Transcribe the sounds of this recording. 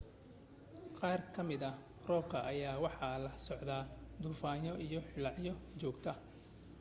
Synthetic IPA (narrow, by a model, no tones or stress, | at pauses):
qɑːrkʰɐmɪðɐ | rɔːb̚kʰɐʔɐjaːwɑħɑlɐsɔʕd̪aːd̪ʊuːfaːjɔʔijɔħɪlɑʕjɔt͡ʃɔːɡt̪ʰɐ